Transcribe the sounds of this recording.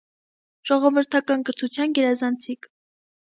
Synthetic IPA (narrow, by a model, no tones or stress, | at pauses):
ʒ̥ɔʁɔvəɾt̪ʰɑkɑnɡəɾt̪ʰut͡sʰjɑnɡɛɾɑzɑnt͡sʰik